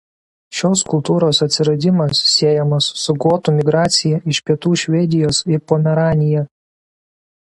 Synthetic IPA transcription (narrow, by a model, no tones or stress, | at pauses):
ʃʲoːskʊlˠt̪uːɾoːsɐt̪ʲsʲɪɾɐd̪ʲɪmɐsːʲiɛjɛmɐsːʊɡuːt̪uːmʲɪɡɾɑːt̪sʲɪjɛʔɪʃʲpʲiɛt̪uːʃʲʋʲɛd̪ʲɪjoːsɪpɔmʲɛɾɑːnʲɪjɛ